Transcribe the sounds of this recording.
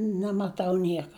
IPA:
nʲɛmɐˈtɐʊ ˈnʲiɛkɐ

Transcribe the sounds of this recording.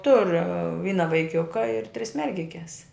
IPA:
tʊr ˈʋʲiːnɐ ʋɐɪˈkʲʊkɐ ɪr tʲrʲɪs ˈmʲɛrʲɡʲɪkʲɛs

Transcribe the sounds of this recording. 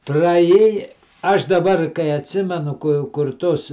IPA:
prɐˈjeːjɛ ˈɐʃ dɐˈbɐr kɐɪ ɐtʲsʲˈɪmʲɛnʊ kʊ kʊr ˈtʊs

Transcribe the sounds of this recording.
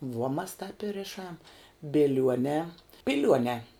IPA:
ʋuɔ mɐs tɑːp ɪ ˈrʲɪʃɐm bʲɪˈlʲuɔnʲɛː ˈpʲɪlʲuɔnʲɛː

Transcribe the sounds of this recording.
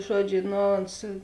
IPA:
ˈʒuɔˌd͡ʒʲʊ ˈnoː oːns

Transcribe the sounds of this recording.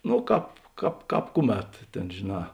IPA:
noː ˈkɑːp ˈkɑːp ˈkɑːp ˈkʊˌmʲɛt ˈtʲeːn ʒʲeːˈnɑː

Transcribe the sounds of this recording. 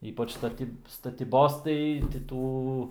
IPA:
ˈiːpɐt͡ʃ stɐˈtʲiːp stɐtʲiːˈboːs tɐɪ tʲɪ ˈtuː

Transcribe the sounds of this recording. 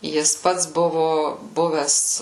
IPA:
ˈjɪs ˈpɐts ˈbʊʋʊ ˈbʊʋʲɛs

